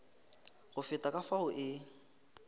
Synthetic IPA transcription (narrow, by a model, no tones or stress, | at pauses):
ɣʊfɪtʼakʼafaʊʔɪ